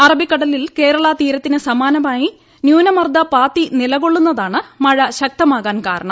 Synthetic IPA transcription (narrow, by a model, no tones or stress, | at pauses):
ɐrɐbikːɐɽɐlilke̞ːɾɐɭɐt̪iːɾɐt̪ːinɨsɐmaːnɐmaːji | njuːnɐmɐrd̪ʱɐpaːt̪ːinilɐɣo̞ɭːunːɐðaːɳɨmɐɻɐɕɐk̚t̪ɐmaːɣaːnkaːɾɐɳɐm